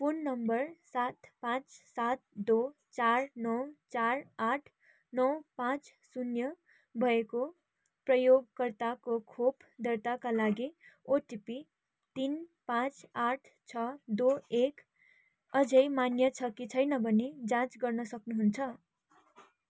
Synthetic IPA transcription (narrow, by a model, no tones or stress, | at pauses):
punːʌmbʌrsat̪pãt͡ssat̪̚d̪o | t͡sarnʌwt͡saraʈʰ | nʌwpãt͡s | sunjʌ | bʱʌeko | prʌjoɡ̚kʌrt̪akokʰopd̪ʌrt̪akalaɡioʈipi | t̪inpãt͡saʈʰ | t͡sʰʌd̪oek | ʌd͡zʌjmanjʌt͡sʰʌkit͡sʰʌjnʌbʱʌned͡zãt͡sɡʌrnʌsʌknuɦunt͡sʰʌ